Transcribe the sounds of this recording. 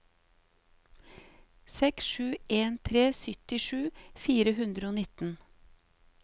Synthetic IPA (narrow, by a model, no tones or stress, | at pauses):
sɛksʃʉːʔeːnt̪ʰɾeːsʏt̪ɪʃʉːfiːɾəhʉnd̪ɾəoːnɪt̪n̩